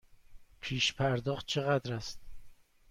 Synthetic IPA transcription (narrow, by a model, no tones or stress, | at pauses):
pʰiːʃpʰæɾd̪ɒχt̪̚t͡ʃʰeʁæd̪ɾæst̪̚